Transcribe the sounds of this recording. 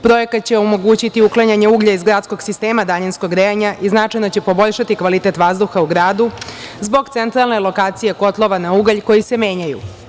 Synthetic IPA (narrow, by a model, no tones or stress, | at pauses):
pɾo̞je̞kat̪̚t͡ɕe̞omo̞ɡuːt͡ɕit̪iuklaɲaɲe̞uːɡʎaizɡɾaːt̪sko̞ɡ̥sist̪e̞ːmad̪aɲenskoɡɾeaɲaʔiznat͡ʃajnot͡ɕe̞po̞bo̞ʎʃat̪ikʋalit̪e̞t̪ʋazd̪uxauɡɾaːd̪uzbo̞ɡt̪se̞nt̪ɾalne̞lo̞kaːt̪sije̞ko̞t̪lˠo̞ʋanauɡaʎko̞jise̞me̞ːɲajṵ